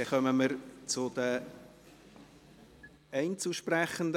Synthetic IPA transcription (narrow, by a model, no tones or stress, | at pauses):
ɛχœməməɾt͡sʊd̥̪ə | ɛɪnt͡suʃpræχənd̪